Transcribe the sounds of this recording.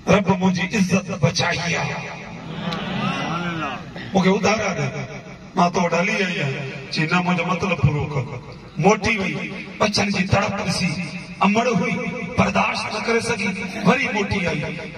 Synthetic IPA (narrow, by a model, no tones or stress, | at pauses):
ɾəbmʊ̃ɦd͡ʒiːʔɪzːət̪bət͡ʃaːijaː | mũːkʰeʊd̪ʱaːɾaːd̪eː | mãːt̪oɖəliːd͡ʒaːiãːd͡ʒinãːmʊ̃ːd͡ʒaːmət̪ləbpʊɾoːk | moːʈiːɦʊiːɓəːt͡ʃʰənkiːt̪əɽət̪ɾɪsiː | əməɽɦʊiːbəɾd̪aːʃtnəkəɾesəɡʱiːʋəɾiːmoːʈiːaːiː